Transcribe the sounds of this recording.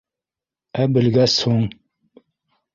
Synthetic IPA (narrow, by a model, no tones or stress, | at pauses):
æbɘ̆lɡæsoŋ